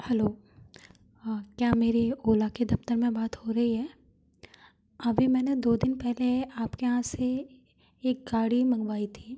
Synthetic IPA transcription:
hɛloː | kjaːmeːɾeoːlaked̪ɐft̪əɾmẽbaːt̪hoɾɐɦiɦɛː | ɐbʱimɛːned̪oːd̪ɪnpɛɦleaːpkeɦãseː | k̚ɡaːɽimɐ̃ŋɡʋaːit̪ʰi̥ː

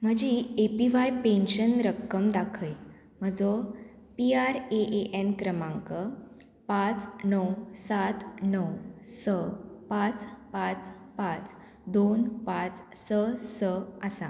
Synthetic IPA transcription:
m̤əd͡ʑiepiʋajpẽnɕənɾəkːəmd̪akʰəj | m̤əd͡zo | piaɾeʔeʔenkɾəmãŋkə | pãt͡snəwsat̪nəwsəpãt͡spãt͡s | pãt͡s | d̪onpãt͡ssəsəəsa

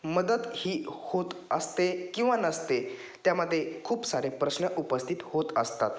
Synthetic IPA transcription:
məd̪əd̪hiːhot̪əst̪ekĩw̃ʋanəst̪e | t̪jaməd̪ʱːjekʰuːpsaɾepɾəɕnəʔupəst̪ʰit̪hot̪əst̪a̰t̪

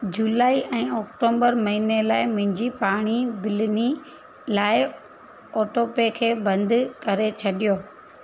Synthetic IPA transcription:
d͡ʑulaːiʔɛ̃ːɔːk̚ʈoːbəɾmɐɦiːnelaːɪmʊ̃ɦɪ̃ɲd͡ʑipaːɽ̃ibɪlni | laːɪ | ɔːʈoːpekʰeːbɐ̃nd̪ʱkɐɾet͡ɕʰɐɗijoː

